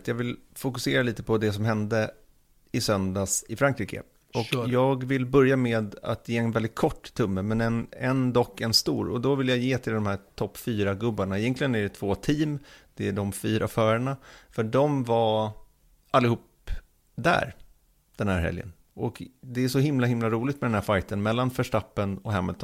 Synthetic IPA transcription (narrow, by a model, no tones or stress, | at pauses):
t̪jɑːvɪlfʊkɵseːɾaliːt̪əpʰɔd̪ɛs̬ɔmɦɛnd̪ə | ɪsœnd̪asɪfɾaŋkɾiːkə̰ | ɔkjɑːɡvɪl̪bœɾjameːd̪a̰t̪jeːɛnvɛld̪ɪt̪̚kʰɔʈːt̪ʰːɵmːəmɛnɛnɛnd̪ɔkːɛnst̪uːɾɔ̰d̪ɔvɪljajeːt̪ʰɪld̪ɔmhæːtʰɔpːfyːɾaɡɵbːaɳaɛjɛnk̪ʰlɪɡənæɖɛt̪ʰvoːt̪ʰiːmd̪̥ɛæɖɔmfyːɾafœːɾəɳafœɖɔmva | alːɪhuːp | d̪æ̰ːɾ | d̪̥ɛnhæ̰ːɾɦɛ̰ljə̰n | ʔɔkd̪ɛæʂɔɦɪmlaɦɪmlaɾuːlɪt̪mɛd̪ɛnæːɾfajt̪ənmɛlːanfœʂʈapːənɔhɛmːəlt̪ʰɔ